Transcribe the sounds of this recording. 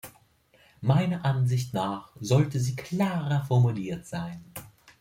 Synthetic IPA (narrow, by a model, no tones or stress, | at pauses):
maɪnɐʔanzɪçtnaːχzɔltəziːkʰl̥aːʁɐfɔɐmuliːɐtz̥aɪn